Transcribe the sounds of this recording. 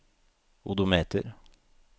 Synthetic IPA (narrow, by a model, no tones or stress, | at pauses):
ʊd̪ʊmeːt̪əɾ